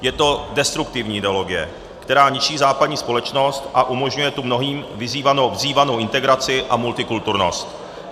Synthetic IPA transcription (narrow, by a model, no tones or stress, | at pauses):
jɛt̪o̞dɛst̪ɾuk̚t̪ɪvɲiːɪdɛo̞lo̞ɡɪjɛ̰ | kt̪ɛɾaːɲɪʃiːzaːpadɲiːspo̞lɛt͡ʃno̞st̪ʔaʔumo̞ʒɲujɛt̪umno̞ɦiːmvɪziːvano̞wvziːvano̞wʔɪnt̪ɛɡɾat͡sɪʔamult̪ɪkult̪uɾno̞̰st̪